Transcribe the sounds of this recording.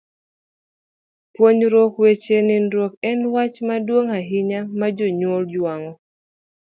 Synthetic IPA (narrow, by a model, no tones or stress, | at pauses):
pwoɲɾɔkwet͡ʃenɪndɾwokɛnwat͡ʃmadwoŋaɦɪɲamad͡ʒoɲwold͡ʒwaŋɔ